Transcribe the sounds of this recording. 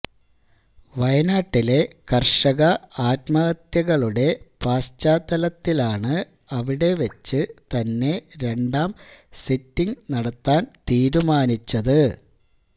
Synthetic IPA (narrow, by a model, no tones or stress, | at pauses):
ʋɐjɐnaːʈːile̞kɐrʂɐɣɐaːtmɐɣɐt̪jɐɣɐɭuɽe̞paːst͡ɕːaːt̪ːɐlɐt̪ːilaːɳɨ | ɐʋiɽe̞ʋɐt͡ɕːɨt̪ɐnːe̞ɾe̞ɳɖaːmsitːiŋnɐɽɐt̪ːaːnt̪iːɾumaːnit͡ɕːɐðɨ